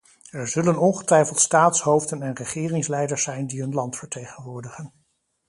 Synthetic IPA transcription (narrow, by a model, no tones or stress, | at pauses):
ɛɹzɵlənɔnχətʋɛjfəlˠtstaːtsɦowfdənɛnrəχɪːrɪŋslɛjdəɹsɛjndiɦɵnlɑntfəɹtejχənʋʊːɹdəχən